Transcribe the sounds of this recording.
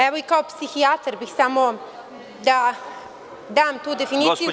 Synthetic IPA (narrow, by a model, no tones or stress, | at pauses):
ɛʋo̞ikaopsixiat̪ɾbixsamo | d̪a | d̪aːmt̪uːd̪efiniːiju